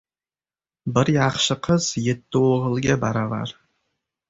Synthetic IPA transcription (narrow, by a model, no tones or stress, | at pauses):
bɪɾjɑχʃəqʰəz̥jet̪ːɪoʁəlˠɡʲabɑɾava̰ɾ